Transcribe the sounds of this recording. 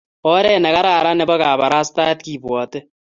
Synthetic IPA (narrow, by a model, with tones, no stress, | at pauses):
o˦ɾeː˦˨ne˨ka˦ɾaː˨ɾa˦ne˨ba˦kaː˨βa˨ɾaː˦st̪a˦t̪̚kiː˨bwa˨t̪e˦